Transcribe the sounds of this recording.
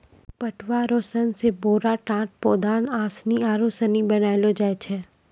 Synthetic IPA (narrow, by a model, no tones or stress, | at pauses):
pəʈʰʋaɾoːsənseboːɾaʈãːʈ̚pɔːd̪aːnaːsniaːɾoːsənibɐnaːjlod͡ʒaːet͡ʃʰɛː